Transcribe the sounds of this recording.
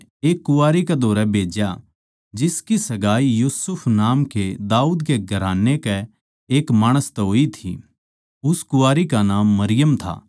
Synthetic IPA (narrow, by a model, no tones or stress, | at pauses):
eːkːʊaːɾikɛd̪ʱoːɾɛbʱeːd͡ʒja | d͡ʒɪskisɐɡaːijuːsʊpʰnaːmked̪aːuːd̪keɡʱɐɾaːnːekɛ | eːkmaːɽ̃əst̪ɛɦoːit̪ʰḭ | ʊskʊaːɾikanaːmːɐɾɪjəmt̪ʰa̰ː